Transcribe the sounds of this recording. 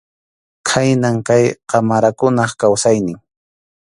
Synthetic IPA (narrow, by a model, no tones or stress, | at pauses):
kʰajnaŋkajqɑmaɾakʊnɑχkawsajnɪŋ